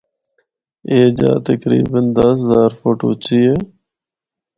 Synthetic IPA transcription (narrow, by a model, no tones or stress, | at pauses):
eːd͡ʒa̰ːt̪əkɾḭːbənd̪əszaːɾfoːʈo̰ːt͡ʃʰiːeː